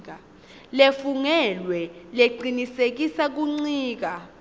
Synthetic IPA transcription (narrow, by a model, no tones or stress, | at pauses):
k̬a | lefuŋɛlwɛleǃʱinisek̬isak̬uŋ͡ǀiːk̬a